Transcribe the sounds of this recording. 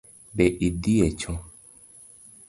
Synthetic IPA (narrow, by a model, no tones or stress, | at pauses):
bɛʔidiɛt͡ʃɔ̃